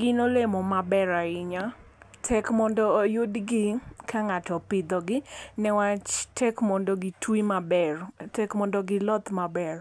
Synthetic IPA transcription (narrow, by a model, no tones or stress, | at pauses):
ɡɪnolemɔmabɛɾaɪɲa | tʰɛkmɔndɔjʊdɡɪkʰaŋatɔpɪd̪ɔɡɪnɛwat͡ʃtʰɛkmɔndɔɡɪtʰwimabɛrtɛkmɔndɔɡɪlɔt̪mabɛr